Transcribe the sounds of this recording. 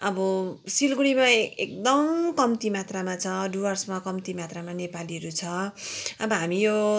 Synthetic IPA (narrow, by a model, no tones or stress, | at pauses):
ʌbʌsilɡuɽimaekd̪ʌmkʌmt̪imat̪ramat͡sʰʌɖuwʌrsmakʌmt̪imat̪ramanepaliɦʌɾut͡sʰʌʌbʌɦamijo